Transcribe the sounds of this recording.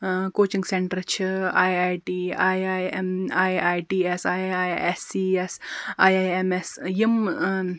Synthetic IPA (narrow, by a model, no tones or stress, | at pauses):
koːt͡ʃiŋɡseɳʈɾt͡ʃʰiaːjaːjʈiːaːjemaːjaːjʈiːesaajesiːesaːjajemesjim